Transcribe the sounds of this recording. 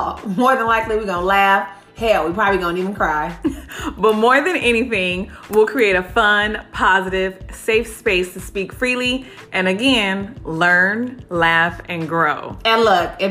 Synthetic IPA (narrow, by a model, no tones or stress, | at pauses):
mɔɹðə̃nlaɪkliwiɡõʊ̃nlæf | hɛlˠwipʰɹ̥ɑbəbliɡõʊ̃ntivɨ̃n̩kʰɹ̥aɪb̥ʌt̚mɔɹðɨ̃nɛñiθɪ̃ŋ | wɪlˠkʰɹ̥ieɪɾɨfʌ̃npʰɑzɨɾɪv̥seɪfspeɪstʰɨspikfɹilˠi | ʔɨ̃nɨɡɛ̃nlɜ̃˞nlæfɨ̃nɡɹoʊɨ̃lʌkɨ